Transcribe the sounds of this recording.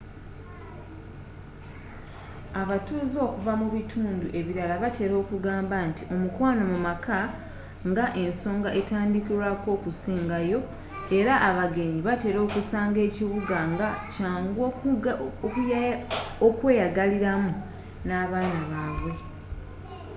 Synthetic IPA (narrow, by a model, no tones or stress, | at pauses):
aβatuːzo̞ːkuvamuβitʰuːnduʔe̞βiɾalaβate̞ːɾo̞ːkuɡaːmbantio̞mukwaːnomumakʰa | ŋɡaʔe̞nso̞ːŋɡaʔe̞taːndikilako̞ːkusiːŋɡajo̞ | e̞ɾaʔːβaɡe̞ɲiβate̞ːɾo̞ːkusaːŋɡe̞ːciβuɡaŋɡacaːŋɡ | kj | okwe̞ːjaɡaliɾamu | naːβaːnaβaːβwe̞